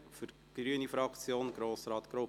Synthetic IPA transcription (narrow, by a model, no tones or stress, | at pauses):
fʏɾ | ɡ̥ryənifɾɑkt͡sjoːnɡ̥ɾoːsɾɑːt̪ɡ̥ɾo